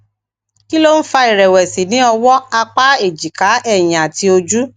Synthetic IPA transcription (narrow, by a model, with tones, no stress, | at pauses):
ki˦lo˦n̩˦fa˧i˨ɾɛ˨wɛ˨si˨nĩ˨˦ɔ˧wɔ˦a˧k͡pa˦e˦˨d͡ʒi˨ka˨˦ɛ˦˨j̃ĩ˨a˨ti˧o˧d͡ʒu˦